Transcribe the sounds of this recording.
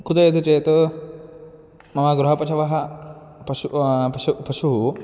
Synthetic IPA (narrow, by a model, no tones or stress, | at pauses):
kut̪ɐjɐd̪ʱit͡ʃeːt̪ɐ | mɐmaːɡɾuɦɐpɐt͡ʃʰɐʋɐɦɐpɐʃuɐupɐʃuɦu